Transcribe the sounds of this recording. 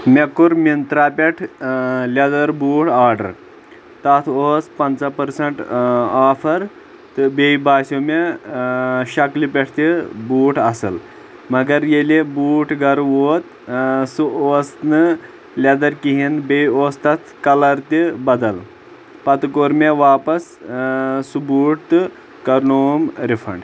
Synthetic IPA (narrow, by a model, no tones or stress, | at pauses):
mekːuɾmint̪ɾapʲeʈʰlʲɐd̪ɐɾbuːʈʰaːɾɖɐ̰ɾ | t̪ɐt̪ʰoːspɐnt͡sapɐɾsɐɳʈaːfʰɐɾ | t̪ɨbejbaːsome | ʃɐklipʲɛʈʰt̪ibuːʈʰɐsɨ̰l | mɐɡɐɾjelibuːʈʰɡɐɾʋoːt̪ | sɨoːsnɨ | lʲɐd̪ɐɾkiɦinbejioːst̪ɐt̪ʰkɐlɐɾt̪ibɐd̪ɐl | pɐt̪koɾmeʋaːpɐs | subuːʈ̚t̪ɨ | kɐɾnoːmɾifʰɐ̰ɳɖ